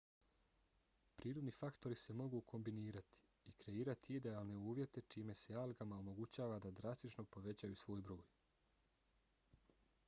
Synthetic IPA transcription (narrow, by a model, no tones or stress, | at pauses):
pɾʔiːɾo̞d̪nifakt̪o̞ɾise̞mo̞ɡuːkʰo̞mbiniːɾat̪i̥ | ikɾe̞iːɾat̪iid̪e̞aːlˠne̞uːʋje̞t̪e̞t͡ʃiːme̞se̞alɡamaomo̞ɡut͡ɕaːʋad̪ad̪ɾast̪it͡ʃno̞po̞ʋe̞t͡ɕajusʋo̞ːjbɾo̞ːj